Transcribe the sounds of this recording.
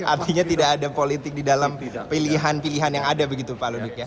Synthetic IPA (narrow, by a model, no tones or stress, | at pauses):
ʔart̪iɲat̪idakːdapolit̪ɪk̚didalampiliɦanpiliɦanjaŋadabəɡit̪upalodukja